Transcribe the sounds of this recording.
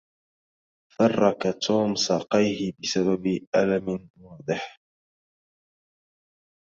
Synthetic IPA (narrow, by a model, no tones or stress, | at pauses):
fɑrˤːɑkat̪ʰuːmsɑːqɑjhɪbɪsababʔalamwɑːd̪ˤɨħ